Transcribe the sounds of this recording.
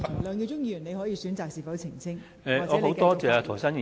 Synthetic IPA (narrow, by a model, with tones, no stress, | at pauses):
lœː˨˧ŋkɛː˧t͡ʃʊ˥ŋjiː˧jy˨˩ne˧jhɔː˨˥jiː˧syː˨˥nt͡saː˨k̚siː˨˧fɐ˨˥wt͡sʰɪ˨˩ŋt͡sʰɪ˥ŋ | ɛː˨ɔː˨˥ho˨˧˥wt̪ɔː˥t͡sɛː˨˧aː˧t̪ʰɔ˨˩sa˥ni˨